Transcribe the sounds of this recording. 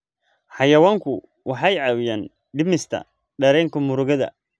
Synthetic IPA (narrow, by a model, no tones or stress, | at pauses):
ħɑjɐwaːŋkʰʊ | wʔɑħɑjʕɑːwɪjaːn | ɖɪmɪst̪ʰɐ̰ | ɖɐɾɛːŋkʰɐmʊɾʊɣɐðɐ̰